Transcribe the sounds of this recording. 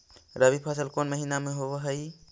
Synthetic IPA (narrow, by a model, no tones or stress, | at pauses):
ɾəβipʰasəlkonməɦinameɦoβʌɦəj